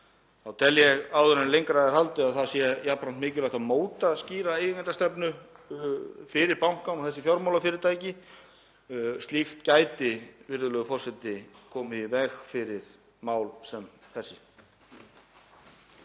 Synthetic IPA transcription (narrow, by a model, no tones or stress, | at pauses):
awt̪ʰɛljɛɣaːwðʏɾanlejŋkɾaðɪɾhalt̪ɪaðθaðsjɛjapːɾant̪mɪːcɪlajhkt̪amoːwt̪asciːɾaejkɛnt̪ast̪ɛpnʏ | fɪɾɪɾpawŋ̥kanawθɛsːɪfjɔɾmawlafɪɾɪɾ̥t̪ʰaːjcɪ | st̪lixt̪caːjt̪ɪvɪɾðʏlœːɣʏfɔr̥sɛt̪ːɪkʰɔːmɪivɛɣfɪɾɪɾ̥ | maːwlsɛmθɛsːɪ